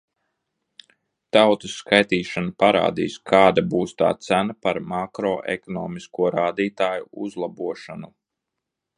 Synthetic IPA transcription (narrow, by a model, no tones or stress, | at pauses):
t̪awt̪usːkajt̪iːʃanapaɾa̰ːd̪ḭːskʰaːd̪abuːst̪a̰ːt̪sænapaɾmakɾɔːʔɛ̰kɔnɔːmiskuɔɾaːd̪iːt̪aːjuuzlˠabuɔʃanu